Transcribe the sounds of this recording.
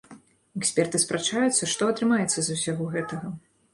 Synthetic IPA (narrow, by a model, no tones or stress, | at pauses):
ɛksʲpʲɛrt̪ɨspɾat͡ʂajut̪sːɐʂt̪ɔɐt̪ɾɨmajɛt̪sːɐzusʲaɣɔɣɛt̪ɐɣɐ